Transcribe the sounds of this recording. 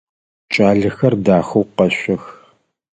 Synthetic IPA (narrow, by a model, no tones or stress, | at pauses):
t͡ʃʼaːɮɨxɐrdaːxɐwqɐɕʷɔx